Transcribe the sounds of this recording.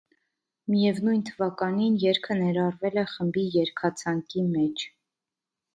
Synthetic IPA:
mijɛvnujnt̪ʰəvɑkɑninjɛɾkʰənɛɾɑrvɛlɛχəmbijɛɾkʰɑt͡sʰɑŋkimɛt͡ʃʰ

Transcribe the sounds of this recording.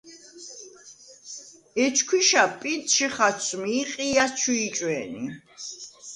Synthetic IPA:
ɛt͡ʃʰkʰwiʃapʼit̪ʼʃiχat͡sʰmiːqʼijat͡ʃʰuːt͡ʃʼwɛnḭ

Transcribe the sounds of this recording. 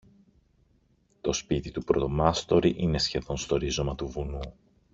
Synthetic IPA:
t̪o̞spit̪it̪upɾot̪o̞mɐst̪o̞ɾiʔine̞sçe̞ðo̞nst̪o̞ɾizo̞mɐt̪uvunu

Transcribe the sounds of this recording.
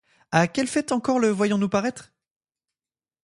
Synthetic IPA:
akʲɛlfɛt̪ɑ̃kɔʁləvwajɔ̃nupaʁɛt̪χ

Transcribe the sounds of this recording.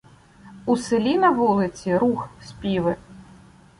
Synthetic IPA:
usɨlʲinɐvɔlˠɨt͡sʲiɾuxsʲpʲiʋɨ

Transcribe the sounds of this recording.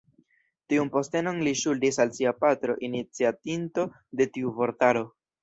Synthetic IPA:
tiunpo̞ste̞no̞nliʃuldisalsiapatɾo̞ʔinit͡siatinto̞ | de̞tiuvo̞ɾtaɾo̞

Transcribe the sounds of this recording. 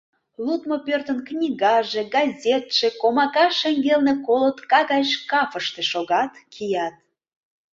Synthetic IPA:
lut̪mopørt̪ənknʲiɣɑʒĕɡɑzʲet̪ʃĕkomɑkɑʃeŋɡelnekolot̪kɑɣɑʃkɑfəʃt̪ĕʃoɣɑt̪kʰijɑt̪̚

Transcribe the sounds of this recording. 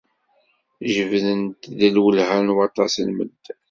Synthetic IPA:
ʒəvðənt̪ðəlwəlhænwɑt̪ˤɑslmə̰ld̪

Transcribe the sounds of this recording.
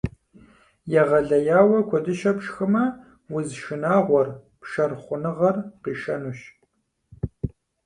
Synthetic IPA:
jɛʁɐɮɐjaːwɐkʷʰɔdɨʃɐpʂxɨmɐ | wʊzʃɨnaːʁʷɔr | pʃɐrχʷʊnɨʁɐrqiːʃɐnuːɕ

